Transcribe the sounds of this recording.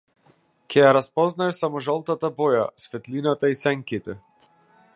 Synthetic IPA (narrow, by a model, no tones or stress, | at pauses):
kʲʰɛjaɾaspɔznaʃsamɔʒalˠt̪at̪abɔja̰svɛt̪linat̪aisɛŋkit̪ɛ